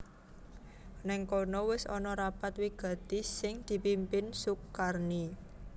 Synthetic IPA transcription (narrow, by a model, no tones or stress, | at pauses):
nɛŋkonɔwɪsɔnɔɾapat̪wiɡ̥a̤t̪isɪŋd̪̥i̤pimpɪnsukarni